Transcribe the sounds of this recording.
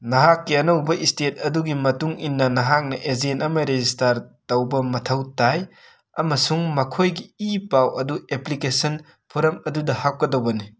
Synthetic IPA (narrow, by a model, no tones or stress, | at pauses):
nɐɦakːiɐnɐwbɐʔistet̚ɐduɡimɐtuŋinːɐnɐɦak̚nɐʔezentɐmɐɾezistaɾtɐwbɐmɐtʰɐwtaj | ɐmɐsuŋmɐkʰojɡiipawɐdueplikesɐn | pʰoɾɐmɐdudɐhak̚kɐdɐwbɐni